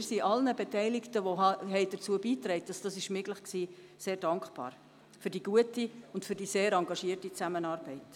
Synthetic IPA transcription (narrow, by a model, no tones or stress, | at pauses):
ɪɾsiʔɑlnəbetɛɪlɪktəʋoɦɦɛɪd̥ət͡suəbiːtɾɛɪt̚d̥ɑsd̥ɑsɪʃmɪɡləχksiː | seːɾd̥ɑŋkχb̥ɑ̰ːɾ | fyɾdiɡ̥uətiʊntfyɾdiseːɾɑŋɡɑʃiərtit͡sæmənɑːɾb̥ɛɪt